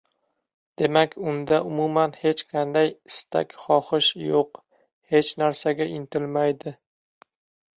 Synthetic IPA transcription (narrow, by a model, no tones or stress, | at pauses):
d̪̥e̞makʲʰʊnd̪aʔʊmumanhe̞t͡ʃqʰɑnd̪ajɪst̪ʰa̰kʲχɒχɪʃjoq | het͡ʃnaɾsaɡʲaʔɪnt̪ʰɪlmajd̪ɪ